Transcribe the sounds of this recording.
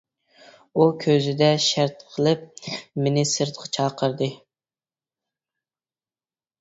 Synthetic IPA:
ukʲʰøzɪd̪ɛʃæɾt̪̚qʰəlˠɨp̚mɪnɪsɨɾt̪̚qʰɑ̥t͡ʃʰɑːqʰəɾd̪ɨ

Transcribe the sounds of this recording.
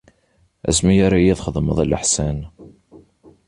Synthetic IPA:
æ̰smijaɾajæðχəðˤməðˤæləħsæn

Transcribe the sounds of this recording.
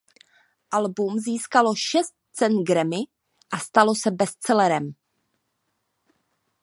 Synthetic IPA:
ʔalbumziːskaloʃɛst̪̚t͡sɛnɡɾɛmɪ | ʔast̪alo̞sɛbɛst͡sɛlɛɾɛm

